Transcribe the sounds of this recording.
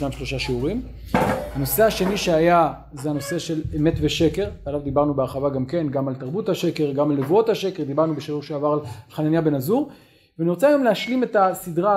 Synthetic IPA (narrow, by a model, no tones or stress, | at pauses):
najmʃlo̞ʃaʃeuʁim | hano̞se̞haʃe̞niʃeaja | zeano̞se̞ʃe̞leme̞tve̞ʃe̞ke̞ʁbealavd̪ibaʁnubeaʁχavaɡamke̞nɡamalt̪aʁbuthaʃe̞ke̞ʁɡamalːevuo̞thaʃe̞keʁd̪ibaʁnubeʃiuʁʃeavaʁalχananjabe̞nazuʁ | veaniʁot͡sajomlehaʃlime̞tasidʁa